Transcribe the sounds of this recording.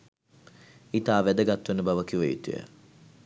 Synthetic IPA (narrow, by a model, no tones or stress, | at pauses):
it̪aːʋæd̪əɡat̪ːuənəbaʋəkiʋəjṵt̪ṵjə̰